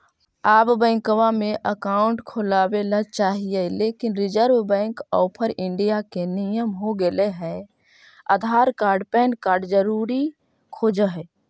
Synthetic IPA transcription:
aːbbɛ̃ːŋkəwameʔəkaʊɳʈkʰolabelət͡ʃaɦijɛlekinɾid͡ʒəɾʋbɛ̃ŋkɔːpʰəɾɪɳɖijakenijəmɦoɡeleɦɛ | ə̰d̪ʱaɾkaːɾɖpɛːnkaːɾɖd͡ʒəɾuɾi | kʰod͡ʒəɦɛ

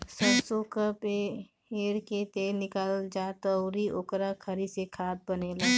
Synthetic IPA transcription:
səbsokəpe | eːɾket̪eːnɪkaːld͡ʒaːt̪əʊɾiʔoːkɾakʰɐɾisekʰaːt̪̚bəneːlaː

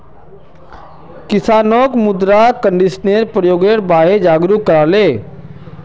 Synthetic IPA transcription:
kɪsaːnoːkmʊd̪ɾakəɳɖɪsneɾpɾəjoːɡeɾbaːɦed͡ʒaːɡɾukːəɾaːleː

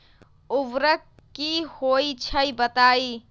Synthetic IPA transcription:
ʊʋɾək | kːihoit͡ʃʰəjbət̪aːi

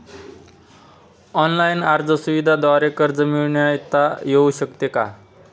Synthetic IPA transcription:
ɔnlajnaɾd͡zəsuʋid̪ʱad̪aɾekəɾd͡zəmiɭɳjait̪ajeuɕəkt̪eka̰

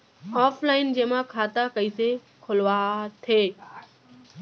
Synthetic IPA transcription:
ɔːflaːɪnd͡ʑeːmãkʰaːt̪akəise | kʰʊlʋaːt̪ʰeː

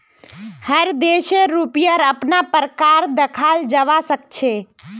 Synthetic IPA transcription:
həɾd̪eʃeɾupijəɾəpnapəɾkaɾd̪əkʰald͡ʒəʋasək̚t͡ʃʰe

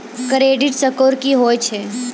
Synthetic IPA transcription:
kɾeːɖɪʈsəkoːɾkiɦoːjt͡ʃʰe

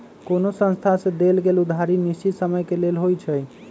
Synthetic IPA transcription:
konosə̃nst̪ʰasẽd̪elɡelud̪ʱaɾinisisəməjkelelɦojt͡ʃʰəj

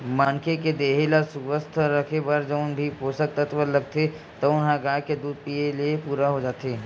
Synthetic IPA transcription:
maːnkeked̪eːɦelasʊʋəst̪ʰɾɐkʰebəɾd͡ʒəʊnbʱipoːsək̚t̪ət̪ʋəɾlɐɡ̚t̪ʰe | t̪oʊnɦãɡaːjked̪uːd̪̚pieliepuːɾaɦod͡ʒaːt̪eː

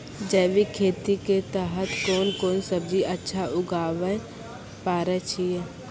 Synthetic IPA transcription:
d͡ʒəːʋikʰeːt̪iket̪ɛɦət̪koːnkoːnsəbd͡ʒiʔɐtːʃʰaʔʊɡʱaːʋə | paːɾət͡ʃʰiɛ

